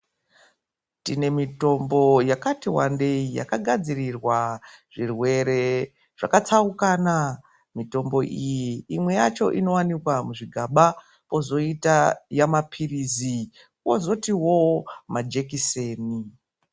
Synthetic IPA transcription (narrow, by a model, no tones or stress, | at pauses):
tine̞mito̞mbo̞jakatiwande̞ija̰kaɡʱad͡zirirwaʐ̥irwe̞ɾe̞ | ʐ̥akat͡saukana | mito̞mbo̞ʔijiːmwe̞jat͡ʃo̞ʔino̞wanikwamuʐiɡʱaɓa | po̞zo̞itajamapʰirizi | wozo̞tiwo̞mad͡ʒe̞kise̞ːni